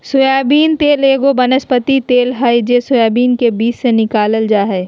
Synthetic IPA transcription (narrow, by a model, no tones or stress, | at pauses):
sʊjaːbiːnt̪eːleːɡobɐnəspət̪it̪eːlɦəjd͡ʒesʊjaːbiːnkebiːt͡ʃsenɪkaːləld͡ʒaːɦɛː